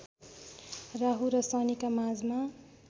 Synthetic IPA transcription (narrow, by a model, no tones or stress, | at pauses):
raɦuɾʌsʌnikamad͡zma